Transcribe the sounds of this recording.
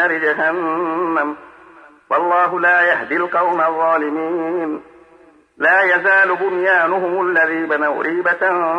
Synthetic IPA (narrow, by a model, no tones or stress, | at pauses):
aɾɪd͡ʒaɦanːam | wɑlˤːɑːɦʊlaːjahd̪ilqɑwmaðˤːɑːlɪmiːn | laːjazaːlʊbʊnjaːnʊɦʊmʊlːaðiːbanawɾʔiːbat̪